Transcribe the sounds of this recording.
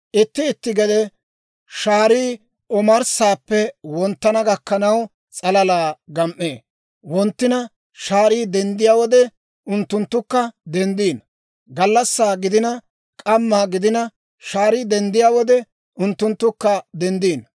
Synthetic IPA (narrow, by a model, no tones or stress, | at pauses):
ʔɪt̪ːɪːt̪ːɪɡɛd̪ɛ | ʃaːɾiː | ɔmɐɾsaːpːɛwɔnt̪ːɐnɐɡɐkːɐnɐw | t͡sʼɐlɐlaːɡɐmʔːeː | wɔnt̪ːɪnɐ | ʃaːɾiːd̪ɛnd̪ɪjaːwɔd̪ɛ | ʊnt̪ːʊnt̪ːʊkːɐd̪ɛnd̪iːn | ɡɐlːɐsːaːɡɪd̪ɪnɐ | kʼɐmːaːɡɪd̪ɪnɐ | ʃaːɾiːd̪ɛnd̪ɪjaːwɔd̪ɛ | ʊnt̪ːʊnt̪ːʊkːɐd̪ɛnd̪iːn